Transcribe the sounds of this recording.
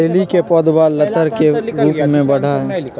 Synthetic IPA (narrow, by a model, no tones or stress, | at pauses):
eːlikepɔːd̪baːlɐt̪əɾkeɾuːpmẽbɐɽ̤ae